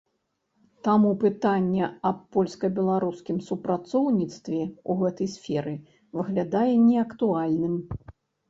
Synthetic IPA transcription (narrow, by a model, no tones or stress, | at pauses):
t̪amupɨt̪anʲːɛɐpːɔlʲskɐbʲɛlˠaɾuskʲimsupɾat̪sɔwnʲit̪st̪vʲɛuɣɛt̪ɐjsfʲɛɾɨ | vɨɣlʲad̪ajɛnʲɛɐkt̪ualʲnɨm